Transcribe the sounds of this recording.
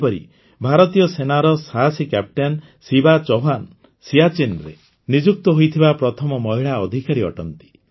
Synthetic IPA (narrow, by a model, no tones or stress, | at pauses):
pɔɾḭ | bʱaɾɔt̪ijɔsenaɾɔsaɦasikap̚ʈan | sibat͡ʃɔɦan | siat͡ʃinɾḛ | nid͡ʒuk̚t̪ɔɦojt̪ʰibapɾɔt̪ʰɔmɔmɔɦiɭaɔd̪ʱikaɾiɔ̰ʈɔnt̪i̥